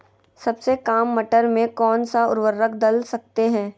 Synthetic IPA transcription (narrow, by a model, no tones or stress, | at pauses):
sɐbsekaːmːɐʈəɾmẽkɔːnsaʊɾʋəɾːəkd̪ɐlsɐk̚t̪eɦɛ̃ː